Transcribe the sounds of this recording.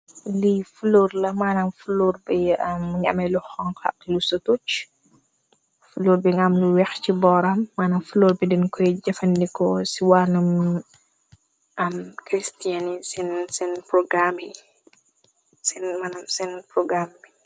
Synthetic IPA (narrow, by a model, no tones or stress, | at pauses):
lifulorlɐmanɐmfuloɾbiɐmɲa̰mɛluxɔŋkɐ̰klusotut͡ʃ | fuluɾbiŋamluwɛxt͡ʃibɔːɾɐmːaːnɐmfuloɾbidinkɔjd͡ʒɛfɐndikɔsiwanum | ʔɐmkɾistianisinsinpɾɔɡɾami | sinmanɐmsinpɾɔɡɾambi